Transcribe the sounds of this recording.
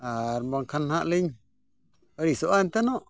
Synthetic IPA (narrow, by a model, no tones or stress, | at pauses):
aɾmbaŋkʰanhaʔliɲ | aɾisoʔant̪ɛnɔʔ